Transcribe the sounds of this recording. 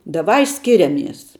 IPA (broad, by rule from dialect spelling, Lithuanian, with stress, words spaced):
dɐˈʋɐɪ ˈsʲkʲɪrʲɛmʲiɛs